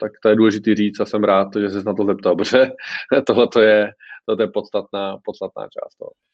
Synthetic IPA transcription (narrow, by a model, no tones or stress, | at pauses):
t̪akt̪ojɛduːlɛʒɪt̪iːriːt͡st̪asɛmɾaːt̪ʒɛs̬ɛsnat̪ozɛpt̪abrɛt̪oɦlɛt̪ojɛt̪ɦlɛt̪jɛpot̪st̪at̪̚naːpot̪st̪at̪na̰ːt͡ʃa̰ːst̪o̰